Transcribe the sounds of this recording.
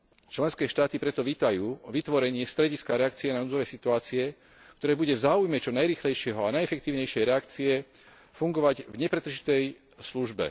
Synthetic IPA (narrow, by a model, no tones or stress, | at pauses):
t͡ʃlɛnskɛːʃt̪aːt̪ipɾɛt̪ɔʋiːt̪ajuːʋit̪ʋɔɾɛɲɪɛst̪ɾɛɟiskaɾɛak̚t͡siɛnanuːd͡zɔʋɛjsit̪uaːt͡siɛ | k̚t̪ɔɾɛːbuɟɛvzaːujmɛt͡ʃɔnajɾiːxlɛjʃɪɛɦɔanajɛfɛk̚t̪iːʊɲɛjʃɪɛjɾɛakt͡siɛ | fuŋɡɔʋaɟvɲɛpɾɛt̪ɾ̩ʒit̪ɛj | sluʒbɛ̰